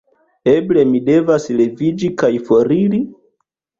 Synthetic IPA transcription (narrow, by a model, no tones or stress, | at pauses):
e̞ble̞mide̞vasle̞vid͡ʒikajfo̞ɾiɾi